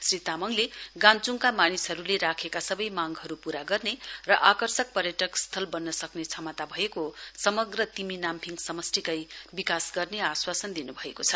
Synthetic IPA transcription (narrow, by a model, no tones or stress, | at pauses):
srit̪amʌŋleɡãnt͡suŋkamanisɦʌɾuleɾakʰekasʌbʌjmaŋɡɦʌɾupuɾaɡʌrnerʌʔakʌrsʌk̚pʌrjʌʈʌkst̪ʰʌlbʌnːʌsʌknet͡sʰʌmʌt̪abʱʌekosʌmʌɡrʌt̪iminampʰiŋsʌmʌsʈikʌjbikasɡʌrneaswasʌnd̪inubʱʌekot͡sʰʌ